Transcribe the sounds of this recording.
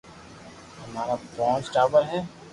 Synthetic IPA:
hɐmaːɾabɔ̃ːt͡ʃʈaːbəɾɦɛː

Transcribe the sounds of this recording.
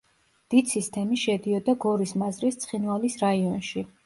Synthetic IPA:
d̪̥id̪sist̪ʰɛmiʃɛd̪iɔd̪aɡɔɾismazɾist̪sʰχinvalisɾaiɔnʃi

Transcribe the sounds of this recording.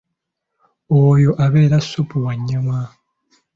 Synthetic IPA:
ojo̞ʔaβe̞ːɾasopuwaɲːama

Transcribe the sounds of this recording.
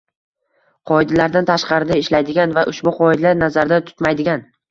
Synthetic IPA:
qʰɒɪd̪alaɾd̪ant̪ʰaʃqɑɾɪd̪aɪʃlajd̪ɪɡʲanvaʔʊʃbʊqʰɒɪd̪laɾnazaɾd̪at̪ʰʊ̥t̪majd̪ɪɡʲan

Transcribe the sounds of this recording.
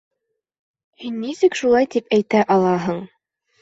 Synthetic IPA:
hinːisɘkʃulˠɑjt̪ipæjt̪æʔɑlˠɑɦɤɴ

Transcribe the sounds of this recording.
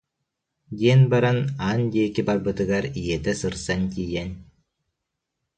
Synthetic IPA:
d̪ʲiɛnbaɾanaːnd̪iːkibaɾbɯt̪ɯɡaɾijɛt̪ɛsɯɾsanʲt̪ʲiːjɛnʲ

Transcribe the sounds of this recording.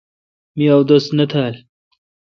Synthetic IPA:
miawd̪ost̪nɐt̪ʰaːl

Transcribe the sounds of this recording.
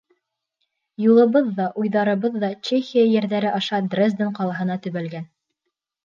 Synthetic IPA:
julˠɤ̆βɤðːɑʔujðɑɾɤ̆βɤðːɑt͡ɕexʲijajæɾðæɾɘʔɑʃɑd̪rʲezd̪ɤɴqɑlˠɑɦɤ̆nɑt̪ɵ̆βælɡæn

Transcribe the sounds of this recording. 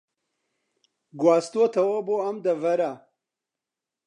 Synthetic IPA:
ɡwɑːst̪ot̪ʰɐwoboamd̪əvɐɾa

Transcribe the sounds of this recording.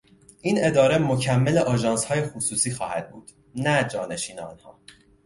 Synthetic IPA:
ʔiːne̞d̪ɒːɾe̞mo̞cʰæmːeleʔɒːʒɒːnshɒːje̞xusuːsiːxɒːhæd̪̥̚bṵːd̪̥ | næd͡ʒɒːne̞ʃiːneɒ̰ːnhɒ̰ː

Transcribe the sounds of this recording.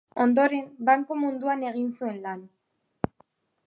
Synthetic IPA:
o̞nd̪o̞ɾe̞mbaŋkomund̪uane̞ɣ̞insue̞nlan

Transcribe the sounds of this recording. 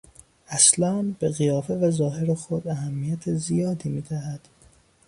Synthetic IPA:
æslɒːnbe̞ɣijɒːfe̞væzɒːɦe̞ɾexod̪æɦæmːijæt̪ʰezijɒːd̪iːmiːd̪æhæd̪̥

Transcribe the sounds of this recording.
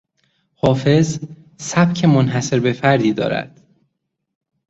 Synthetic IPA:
hɒːfe̞z | sæb̚cʰemonɦæse̞ɾbe̞fæɾd̪iːd̪ɒ̰ːɾæ̰d̪̥

